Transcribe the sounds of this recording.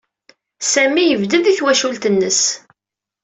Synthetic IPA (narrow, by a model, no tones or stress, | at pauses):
sæmijəvd̪əðiθwæʃult̪ənːəs